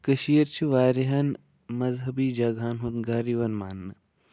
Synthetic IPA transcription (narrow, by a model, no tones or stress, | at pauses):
kɐʃijɐɾt͡ʃʰuʋaːɾiɦɐn | mɐzɦɐbiːd͡ʒaːɡʱaːnɦut̪ɡaːɾiʋɐnmaːnːɨ